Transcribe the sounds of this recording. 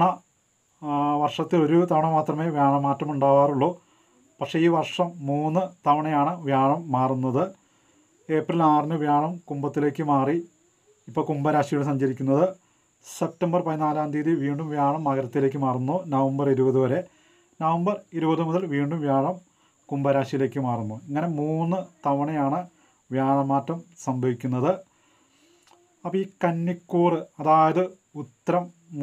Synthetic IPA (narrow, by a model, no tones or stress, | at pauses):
ɳɐ | ʋɐrʂɐt̪ːilo̞ɾut̪ɐʋɐɳɐmaːt̪rɐme̞ːʋjaːɳɐmːaːtrɐmuɳɖaːʋaːruɭːo̞ː | pɐkʂe̞iːʋɐrʂɐmːuːnːɨt̪ɐʋɐɳɐjaːɳɨʋjaːɳɐmːaːrunːɐðɨ | e̞ːprilaːrinɨʋjaːɳɐmkumbɐt̪ːile̞ːkʲːɨmaːri | ipːo̞ːkumbɐɾaːɕijuɽes̬ɐɲd͡ʑɐɾikʲːunːɐðɨ | se̞p̚tɐmbɐrpɐðinaːlaːnd̪iːðiʋiːɳɖumʋjaːɳɐmːɐɣɐɾɐt̪ːile̞ːk̬ʲːɨmaːrunːoːnɐʋɐmbɐriɾubɐðuʋɐɾe̞ | nɐʋɐmbɐriɾubɐðɨmuðɐlʋiːɳɖumʋjaːɳɐm | kumbɐɾaːʂijile̞ːkʲːɨmaːrunːoːeŋːɐne̞muːnːɨt̪ɐʋɐɳɐjaːɳɨ | ʋjaːɳɐmːaːtːɐmsɐmbʱɐʋikʲːunːɐðɨ | ɐpːoiːkɐnːikːuːrɨɐðaːjɐðɨ | ut̪ːɐɾɐm